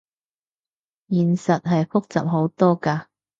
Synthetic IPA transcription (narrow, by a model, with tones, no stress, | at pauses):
jiː˨nsɐ˨t̚ɦɐ˨jfʊ˥k̚t͡sɐ̰˨p̚ɦo˨˥wt̪ɔː˥kaː˧